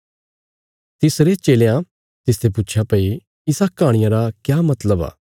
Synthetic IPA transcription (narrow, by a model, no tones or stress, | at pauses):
t̪ɪsɾet͡ʃeːleã | t̪ɪst̪ʰep̬ʊtːt͡ʃʰjapɐi | ɪsakaːɽ̃ɪjãɾakjaːmɐt̪ləba̰ː